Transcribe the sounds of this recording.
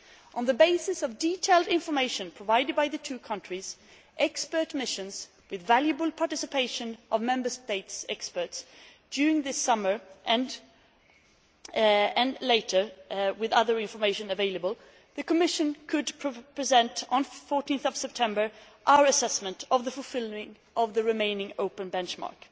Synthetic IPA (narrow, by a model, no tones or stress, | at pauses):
ʔə̃nðɨbeɪsɨsʌvditʰeɪlˠdɪ̃ɱfə˞meɪʃɨ̃npʰɹ̥əvaɪɾɨd̚baɪðɨtʰʉkʰʌ̃nt͡ʃɹ̥iz | ʔɛkspə˞tmɪʃɨ̃nz | wɨðvælˠjɨbəl̩ˠpʰɑɹtɪsɨpʰeɪʃɨ̃nʔʌvmɛ̃mbə˞steɪtsɛkspə˞tsd̥jʉɹɪ̃ŋðɪsʌmə˞ʔɨ̃n | ɨ̃nleɪɾə˞wɨðʌðə˞ɪ̃ɱfə˞meɪʃɨ̃nɨveɪlˠəbəl̩ˠ | ðɨkəmɪʃɨ̃nkʰɨdpʰpʰɹ̥ɨzɛ̃ntn̩fɔɹtĩnθʌv̥sɛp̚tʰɛ̃mbə˞ | ʔaʊə˞ɨsɛsmə̃ntʌvðəfʊl̩ˠfɪlˠɪ̃ŋ | ʔʌvðɨɹɨmẽɪ̃nɪ̃ŋoʊpɨ̃nbɛ̃nt͡ʃmɑ̰ɹk